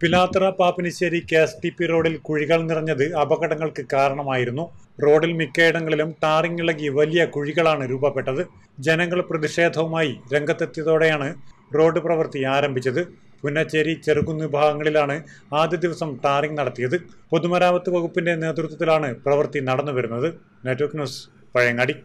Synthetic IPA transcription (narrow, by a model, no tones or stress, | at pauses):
pilaːt̪rɐpaːpiniɕeːɾikeːsʈipːiro̞ːɖilkuɻiɣɐɭnirɐɲːɐðɨɐbɐɣɐɽɐŋːɐɭkɨkaːɾɐɳɐmaːjiɾunːu | ro̞ːɖilmikːeːjɽɐŋːɐɭilumʈaːriŋɡiɭɐɣiʋɐlijɐkuɻiɣɐɭaːɳɨɾuːbɐpːe̞ʈːɐðɨ | d͡ʑe̞nɐŋːɐɭprɐðiʂe̞ːd̪ʱɐʋumaːjiɾe̞ŋɡʱɐt̪ːɐt̪ːjɐðo̞ːɽejaːɳɨro̞ːɖɨprɐʋɐrt̪iaːɾɐmbʱit͡ɕːɐðɨ | punːɐt͡ɕːeɾit͡ɕerikːunːibʱaːɡɐŋːɐɭilaːɳɨ | aːd̪jɐd̪iʋɐsɐmʈaːriŋɡnɐɽɐt̪ːijɐðɨpo̞ðumɐɾaːʋɐt̪ːɨʋɐɣupːinde̞ne̞ːt̪rut̪̬ːɐt̪ːilaːɳɨprɐʋɐrt̪inɐɽɐnːupɐɾunːɐðɨ | netːʋɐrknjuːs | pɐɻɐjɐŋːaːɽi